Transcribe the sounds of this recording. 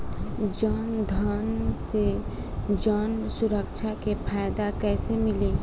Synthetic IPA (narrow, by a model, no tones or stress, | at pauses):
d͡ʒaːnd̪ʱaːnse | d͡ʒaːnsʊɾəkt͡ʃʰakepʰaːjd̪akɛːsemɪli